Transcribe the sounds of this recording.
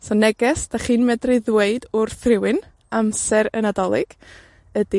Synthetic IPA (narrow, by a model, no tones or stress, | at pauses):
sɔnɛɡɛsd̥aχɨːnmɛdrɨðweɨdʊrθrɪwɨn | amsɛɾənadɔlˠɪɡ̥ | ədi